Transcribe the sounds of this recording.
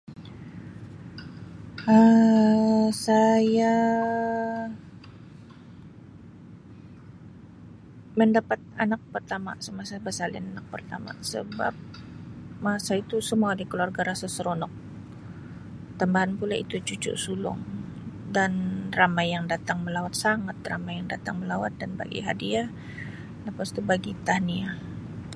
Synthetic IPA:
ə | saja | məndapat̪̚anak̚pərt̪ama̰səmasabəsalɪ̰nanak̚pərt̪ama̰sə̰ba̰p̚ | masait̪usəmuadikəluarɡaɾasasəɾonɔk̚ | t̪ambaɦanpulaḭt̪ut͡ʃut͡ʃʊ̰ʔsulʊ̰ŋdanramajjaŋdat̪aŋməlawat̪̚saŋat̪̚ramajaŋdat̪aŋməlawat̪̚danba̰ɡḭɦa̰diah | ləpast̪ubaɡit̪ahnia

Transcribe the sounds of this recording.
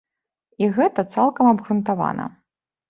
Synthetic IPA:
iɣɛt̪ɐt̪salˠkɐmɐbɣɾunt̪ava̰nʔɐ̰

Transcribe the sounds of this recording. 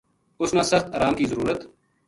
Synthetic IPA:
ʊsnãːsəxt̪əːɾaːmkiːzəɾuːɾət̪

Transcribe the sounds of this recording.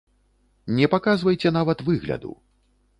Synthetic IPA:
nʲɛpakazvɐjt͡sʲɛnavɐt̪vɨɣlʲɐ̰d̪ṵ

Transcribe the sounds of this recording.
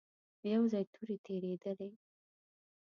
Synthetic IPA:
jawzɑjt̪ʰuɾit̪ʰeɾed̪əle

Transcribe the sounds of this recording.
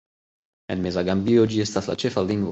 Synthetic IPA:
ɛ̰nmezaɡambiod͡ʒiɛst̪at̪la̰t͡ʃɛfald̪iŋɡ

